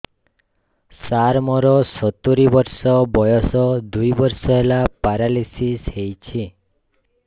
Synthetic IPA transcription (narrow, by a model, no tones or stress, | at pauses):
saɾmɔɾɔsɔt̪uɾibɔɾsɔbɔjɔsɔd̪ujbɔɾsɔɦelapaɾalisishejt͡ʃʰi